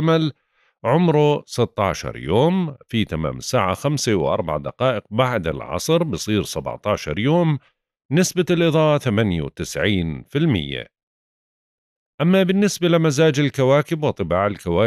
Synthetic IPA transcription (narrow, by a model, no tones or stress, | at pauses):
mal | ʕʊmɾʊsɪt̪ːɑ̰ːʃɑ̰ɾˤjoːmfit̪ama̰ːmɪsːaːʕa̰xamsawʔɑ̰ɾˤbaʕad̪a̰qɑːʔɪq̚baʕd̪ɪ̰lʕɑ̰sˤɾbɨsˤiːɾsab̰ʕt̪ˤɑːʃɑ̰ɾˤjoːm | nɪsbalʔɨðˤɑːfaθamanja̰wt̪ɪsʕiːnfɪlmɪ̰jːa̰ | ʔamːabɪnːɪsbalɪmazaːd͡ʒɪlkawaːkɪbwɨt̪ˤːɨbaːʕɪlkawaː